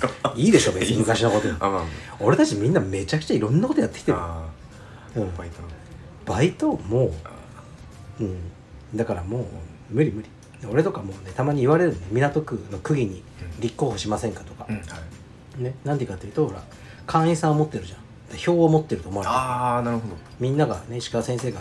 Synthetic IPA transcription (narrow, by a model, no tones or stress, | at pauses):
iːd̪e̞ɕo̞bemɯ̟kaɕinoko̞t̪oo̞ɾe̞t̪at͡ɕimʲĩnːame̞t͡ɕakɯ̟̥t͡ɕaiɾõ̞nːako̞t̪ojat̪ːekʲi̥t̪e | ɯ̟̃ | b̥ait̪o̞mo̞ː | ɯ̟̃ɴ | d̪akaɾamo̞ː | mɯ̟ɾʲimɯ̟ɾʲi | neo̞ɾe̞t̪o̞kamo̞ːne̞t̪amaɲ̟iːβaɾe̞ɾɯnonemʲiɾat̪o̞kɯ̟no̞kɯ̟ɡʲiɲ̟i | ɾʲikːo̞ːho̞ɕimasẽ̞ŋkḁt̪o̞̥kḁ | ne̞nãnd̪ikat̪ːeiɯ̟t̪o̞ho̞ɾa̰ | kʰãɰ̃ĩsãɰ̃mo̞t̪ːe̞ɾɯ̟ʑã | d̪̥aço̞ːomo̞t̪ːe̞ɾɯ̟t̪o̞moaɾnaɾɯ̟ɦod̪o | mʲĩnːaɡa̰ne̞ɕi̥kaasẽ̞ɰseːɡa